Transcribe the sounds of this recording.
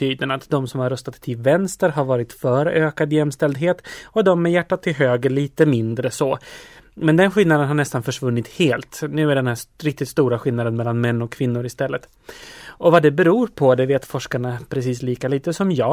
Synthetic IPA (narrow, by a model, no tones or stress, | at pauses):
yːd̪ənat̪d̪ɔmsɔmhaɾɵst̪at̪ʰːɪlvɛnst̪əɾɦaɾvɑːɾɪt̪fœːɾøːkad̪jɛmːst̪ɛld̪ɦeːt̪ɔd̪ɔmːɛjæʈːat̪ʰːɪlɦøːɡəɭiːt̪əmɪnd̪ɾəsɔ | mɛnd̪ɛnɧɪlnad̪ənɦaɳɛst̪anfœʂvɵnːɪt̪heːlt̪nʉ̟ːæɖɛnhæːɾɪk̚t̪ɪt̪st̪uːɾaɧɪlnad̪ənmɛlːanmɛnːɔkʰːvɪnːʊɾɪst̪ɛlːət̪ | ɔvad̪ɛbɛɾuːɾpʰɔd̪ɛveːt̪fɔʂkaɳapʰɾɛsiːsliːkaliːt̪əsɔmjɑː